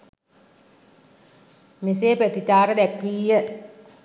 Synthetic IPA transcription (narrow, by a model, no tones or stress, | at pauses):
miseːpɾət̪itaːɾəd̪ækʋiːjə